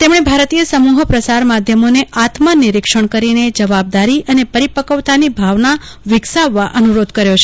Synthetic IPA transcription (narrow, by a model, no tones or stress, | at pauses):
t̪emɳ̃ebʱaɾt̪ijəsəmuɦəpɾəsaɾmad̪ʱjəmoneat̪maniɾikʂəɳ̃kəɾined͡ʒəʋab̚d̪aɾiʔənepəɾipəkəʋt̪anibʱaʋna | ʋɪɡsaʋːaʔənuɾod̪ʱkəɾjot͡ʃʰe